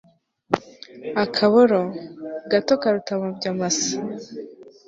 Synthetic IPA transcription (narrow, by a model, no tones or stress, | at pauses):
akʰaβoɾoɡatokaɾutaβobɟamasḁ